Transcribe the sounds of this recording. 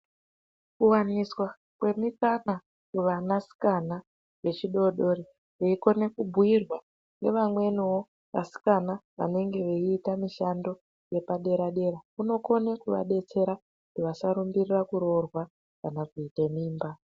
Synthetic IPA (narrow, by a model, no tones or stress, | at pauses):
kuwaniswa | kwe̞mikana | kuʋanasi̥kana | ʋe̞t͡ʃiɗo̞ɗo̞ɾi | ʋeiko̞ne̞kubʱuirwa | nɡe̞̰ʋamwe̞niwo̞ | ʋa̰si̥kanaʋa̰ne̞ŋɡe̞ʋeiːtamiʃando̞ | je̞paɗe̞ɾaɗe̞ɾakuno̞ko̞nekuʋa̰ɗe̞t͡se̞ɾa | kkutiʋasaɾumbirirakuɾo̞rwa | kanakuitemiːmba